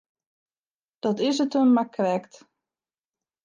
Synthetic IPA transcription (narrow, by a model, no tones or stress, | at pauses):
d̥ɔtɪs̬ətənmakrɛkt